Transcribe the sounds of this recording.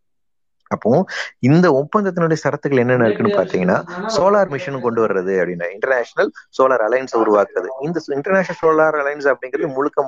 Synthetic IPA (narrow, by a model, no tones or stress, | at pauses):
ɐpːõːɪnd̪ɐʊpːɐnd̪ɐt̪ːɪnʊɽɐjɐsɐɾɐt̪ːɯkɐɭɛnːɐnːɪɾɯkːɯnːɯpaːɾt̪iːŋɡɐnːa̰ːsoːlaːɾmɪʂɐnɯkɔɳɖɯʋɐɾɯɾɐðɯɐpːɐɽɪnːa̰ːɪɳʈɐɾnaːʂɐnɐlsoːlaːɾɐlɐjnsɐʊɾʊʋaːkɯɾɐðɯ̰ɪnd̪ɐɪɳʈɐɾnaːʃnɐlsoːlaːɾɐlɐjns̬ɐpːɐɽɪŋɡɪɾɐðɯmʊɻʊkːɐm